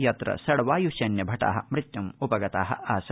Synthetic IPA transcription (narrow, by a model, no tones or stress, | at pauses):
jɐt̪ɾɐ̰sɐɽʋaːjuʃɐnjɐbʱɐʈa̰ːɦɐ̰̆mɾɪt̪jɐmupɐɡɐt̪aːɦɐ̰aːsɐ